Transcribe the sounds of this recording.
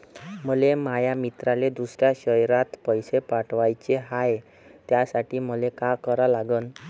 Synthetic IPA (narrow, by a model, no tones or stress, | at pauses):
məlemajamit̪ɾaled̪usɾjaɕəjɾat̪pəjsepaʈʰʋajt͡ɕeɦaj | t̪jasaʈiːməlekakəɾalaɡən